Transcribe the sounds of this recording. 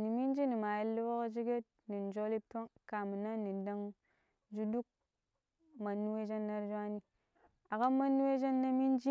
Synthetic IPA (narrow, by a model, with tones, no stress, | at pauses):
ni˨mi˦nd͡ʒi˦ni˨ma˨ji˦lːu˦wo˦ka˦d͡ʒi˦ɡe˦t̚ | ni˨n˨d͡ʒo˦li˦to˦ŋka˨mi˨na˦nːi˨nda˦ŋ | d͡ʒu˦du˦k̚ | ma˨nːu˦we˦d͡ʒa˦nːa˦ɾd͡ʒwa˦ni˦ | a˨ka˦ma˦nːu˦we˦d͡ʒa˦nːa˦mi˦nd͡ʒi˦